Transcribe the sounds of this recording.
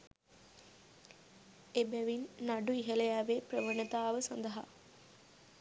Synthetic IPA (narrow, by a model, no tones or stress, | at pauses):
ebæʋinːaɖuiɦələjæʋeprəʋənət̪aːʋəsand̪əɦa̰